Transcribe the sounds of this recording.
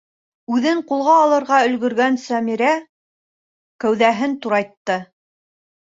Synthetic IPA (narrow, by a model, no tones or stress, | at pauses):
ʉðɘɴqulˠʁɑːlˠɤ̆ɾʁɑɵ̆lɡɵ̆ɾɡænsæmiɾæ | kæwðæɦɘnt̪uɾɑjt̪ːɤ